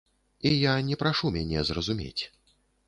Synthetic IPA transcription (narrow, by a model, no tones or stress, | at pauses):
ijanʲɛpɾaʂumʲanʲɛzrɐzumʲḛt͡sʲ